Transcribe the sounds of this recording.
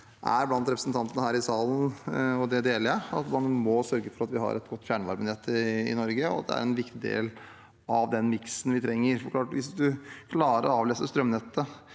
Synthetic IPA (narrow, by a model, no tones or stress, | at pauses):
ʔæ̰ɾblɑnt̪ɾɛpɾəsn̩t̪ɑnt̪ənəhæːɾɪsɑːlˠnɔd̪ɛd̪eːləɾjæɑt̪mɑnmɔsœɾɡəfɔɾɑt̪ʋɪhɑ̰ɾʔɛt̪ɡɔt̪ːfjæːɳəʋɑɾbɪnɛt̪ʰːəɪ̰nɔɾɡəɔɑt̪d̪ɛ̰æ̰ɾɛnʋɪkt̪ɪd̪ḛːl | ɑʋd̪ɛnmɪksnʋɪt̪ʰɾɛŋːəɾfɔkʰlɑːʈʋɪsd̪ʉkʰlɑːɾə̰ɾɔɑːʋleːsəst̪ɾœmnɛt̪ːə